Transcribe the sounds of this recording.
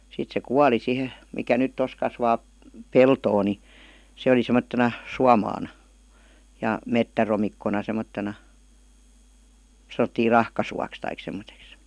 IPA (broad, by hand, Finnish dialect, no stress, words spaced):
sit se kuɑli sihe mikæ nyt tos kɑsʋɑː peltoː ni se oli semːottenɑ suɑmɑːnɑ jɑ metːæromikːonɑ semotːenɑ sɑn̞̆otːiː rɑhkɑsuɑks tɑik semˑoteks